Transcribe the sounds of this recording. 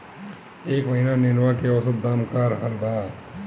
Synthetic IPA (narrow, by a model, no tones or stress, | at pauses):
eːkməɦinanɪnwakeəsət̪̚d̪amkaɾəɦəlbad